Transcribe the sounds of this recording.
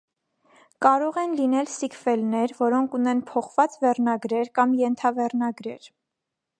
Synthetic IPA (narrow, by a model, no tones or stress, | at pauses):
kɑɾɔʁɛnlinɛlsikʰfɛlnɛɾvɔɾɔŋkʰunɛnpʰɔχvɑt͡svɛrnɑɡɾɛɾkɑmjɛnt̪ʰɑvɛrnɑɡɾɛ̰ɾ